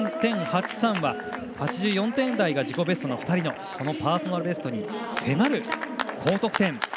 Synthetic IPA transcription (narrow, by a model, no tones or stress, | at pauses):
t̪ẽ̞ɰhat͡ɕi̥sãɰ̃βa | hat͡ɕiʑɨːjõ̞nt̪ẽ̞nd̪aiɡaʑiko̞be̞sɨ̥t̪onoɸɯ̟̥t̪aɾʲino̞ | so̞no̞paːso̞naɾɯbe̞s̬t̪o̞ɲ̟ise̞maɾɯ̟kʰo̞ːt̪o̞kɯ̟̥t̪ẽ̞ŋ